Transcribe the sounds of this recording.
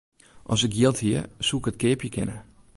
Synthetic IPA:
ʔɔsɪkjɪlˠthiəsuəkət̚kɪəpjəkʰɪ̰nə

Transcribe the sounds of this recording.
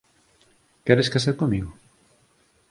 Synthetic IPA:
kɛɾeskaseɾkomiɣo

